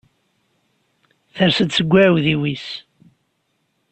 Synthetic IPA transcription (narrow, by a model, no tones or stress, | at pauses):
θəɾsəd̪səɡʷːæʕwðiwis